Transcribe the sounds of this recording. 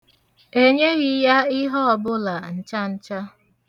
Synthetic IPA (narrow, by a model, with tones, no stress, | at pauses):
e˦ɲe˦ɣi˨ja˦ɪ˦ɦɔ˦ɔ˨bʊ˦la˨n̩˦t͡ʃa˦n̩˦t͡ʃa˦